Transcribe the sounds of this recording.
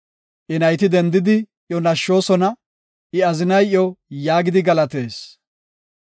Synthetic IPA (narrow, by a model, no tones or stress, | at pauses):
ʔɪnɐjt̪ɪd̪ɛnd̪ɪd̪ɪ | ʔjɔnɐʃːo̞ːsɔnɐ | ʔɪɐzɪnɐjjɔjaːɡɪd̪ɪɡɐlɐt̪e̞ːs